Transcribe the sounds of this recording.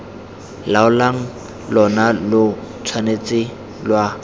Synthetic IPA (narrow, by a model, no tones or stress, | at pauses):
laʊlaŋ̩ | lɔnalʊ | t͡sʰwanet͡sɪ | lwa